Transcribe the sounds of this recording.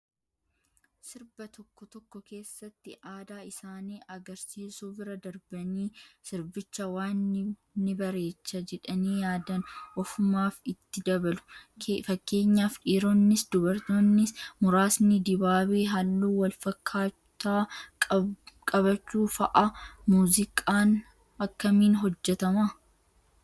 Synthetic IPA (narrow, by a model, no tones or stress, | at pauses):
sɪɾbɐt̪ɔkːɔt̪ɔkːɔke̞ːsːɐt̪ːɪʔaːd̪aːɪsaːniːʔɐɡɐɾsiːsuːbɪɾɐd̪ɐɾbɐniːsɪɾbɪt͡ʃːɐwaːnːnɪbɐɾe̞ːt͡ʃːɐd͡ʒɛᶑɐniːjaːd̪ɐnʔɔfʊmaːfɪt̪ːɪd̪ɐbɐlʊ̥kfɐkːe̞ːɲːaːfᶑiːɾonːɪsd̪ʊbɐɾt̪oːnːɪsmʊɾaːsnɪd̪ɪbaːbeːɦɐlːuːwɐlfɐkʰːaː | t̪aː | kʼɐβɐt͡ʃːuːfɐʔɐmuːzɪkʼaːn | ɐkːɐmiːnɦɔd͡ʒːɛt̪ɐmɐ